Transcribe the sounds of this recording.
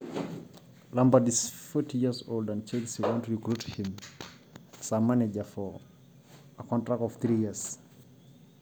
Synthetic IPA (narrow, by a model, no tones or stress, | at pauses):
lãmbadisfɔtʰijiəzoldãnt͡ʃelsiwɔ̃ntɹikɹuthĩm | samaned͡ʒəfɔ | əkʰɔ̃ntɹakɔvθɹijis